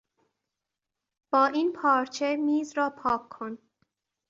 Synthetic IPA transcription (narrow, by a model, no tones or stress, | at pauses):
b̥ɒːʔiːnpʰɒːɾt͡ʃʰe̞miːzɾɒːpʰɒːkʰːon